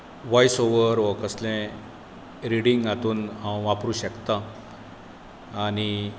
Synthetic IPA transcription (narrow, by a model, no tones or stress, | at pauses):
ʋajsoʋəɾʋɔkəslɛ̃ | ɾiɽiŋɡat̪uːnɦãwʋapɾuːɕəkt̪a | ñi